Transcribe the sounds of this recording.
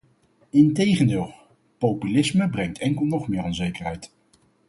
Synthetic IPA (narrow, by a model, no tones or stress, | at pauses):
ɪntejχəndɪːlˠ | powpylɪsməbrɛŋtʰɛŋkəlˠnɔχmɪːɾɔnzejkərɦɛjt